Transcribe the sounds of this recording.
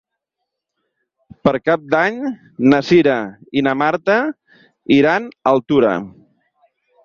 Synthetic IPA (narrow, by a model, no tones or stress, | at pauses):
pəɾkap̚d̪aɲ | nəsiɾəinəmaɾt̪ə | iɾanəlˠt̪uɾə̰